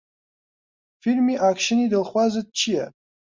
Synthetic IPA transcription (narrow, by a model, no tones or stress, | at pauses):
filmiʔakʰʃɪnidɨlχʷazad̚t͡ʃʰija̰